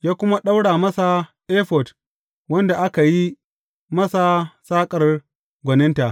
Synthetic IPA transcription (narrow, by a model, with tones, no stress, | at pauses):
jaː˦kʷʊ˦ma˦ɗa˦wɽaː˨mɐ˦sa˨ʔeː˦ɸɔ˨t | wɐ˦nda˨ʔa˦ka˨ji˦ | mɐ˦sa˨saː˦kʼɐ˨r | ɡʷɐ˨nɪ˦nta˨ʔ